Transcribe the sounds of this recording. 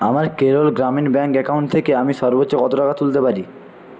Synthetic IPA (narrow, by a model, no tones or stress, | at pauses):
amaɾkeɾolɡɾaminbɛŋkɛkawɳʈ̚t̪ʰːekeamiʃɔɾbotːɕokɔt̪oʈakat̪ult̪epaɾi